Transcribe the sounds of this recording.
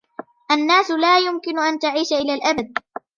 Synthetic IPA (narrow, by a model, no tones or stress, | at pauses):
ʔanːaːsʊlaːjʊmkɪnʊʔant̪aʕiːʃaʔɪlaːlʔabad̪̚